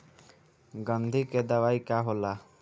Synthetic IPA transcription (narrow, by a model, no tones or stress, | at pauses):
ɡə̃nd̪ʱiked̪əʋaːikaɦoːla